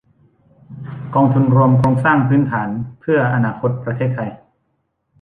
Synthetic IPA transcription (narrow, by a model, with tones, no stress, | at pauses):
kɔː˧ŋt̪ʰu˧nɾu˧əmkʰoː˧ŋsaː˥˩ŋpʰɯː˦˥nt̪ʰaː˩˦npʰɯ˥˩ɐʔa˧naː˧kʰo˧˥t̪̚pɾa˧t̪ʰeː˥˩t̪ʰːa˧j